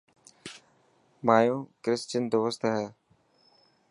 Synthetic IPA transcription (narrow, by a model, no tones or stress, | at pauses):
maːjõːkɾɪst͡ʃənd̪oːʋəst̪əɦɛː